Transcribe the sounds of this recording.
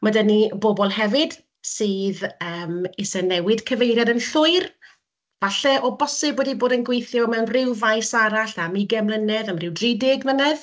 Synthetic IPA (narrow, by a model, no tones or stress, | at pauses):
madənibobɔlˠɦɛvɪd̥ | sɨːðəːmɪsɛnɛwɪd̥kʰəvejɾjadənɬʊɨr | vaɬɛʔɔbɔsɪboːdiboːdənɡwejθjɔmɛwnrɪwvajsaɾaɬamiɡɛmlˠənɛðamrɪwdriːdɪɡvənɛð